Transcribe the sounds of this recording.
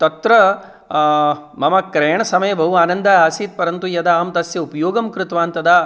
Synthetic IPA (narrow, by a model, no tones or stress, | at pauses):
t̪ɐt̪ɾɐ | mɐmɐkɾeːɳɐsɐmɐjɐbʱɐɦuaːnɐnd̪ɐɦaːsiːt̪̚pɐɾɐnt̪ujɐd̪aaːmt̪ɐsjɐupɐjoːɡɐmkɾɪt̪ʋaːnt̪ɐd̪a